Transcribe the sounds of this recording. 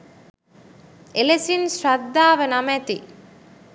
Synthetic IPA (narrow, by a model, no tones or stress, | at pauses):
elesinsrad̪ːaːʋənamæt̪i